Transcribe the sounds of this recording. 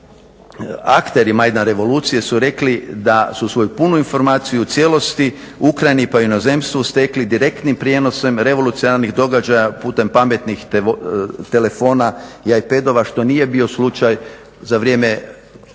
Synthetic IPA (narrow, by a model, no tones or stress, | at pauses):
akt̪e̞ɾimajd̪anɾe̞ʋo̞luːt̪sije̞suɾe̞klid̪asusʋo̞jupunuinfo̞ɾmaːt̪sijut̪sje̞lo̞st̪i | ukɾajnipajuno̞ze̞mst̪ʋust̪e̞klid̪iɾe̞kt̪nimpɾʲje̞no̞se̞mɾe̞ʋo̞lut̪sionaɾniɣd̪o̞ɡad͡ʒajapuːt̪e̞mpame̞t̪nix | t̪e̞le̞fo̞najajpe̞d̪o̞ʋaʃt̪o̞nije̞bio̞slut͡ʃaj | zaʋɾje̞ːme̞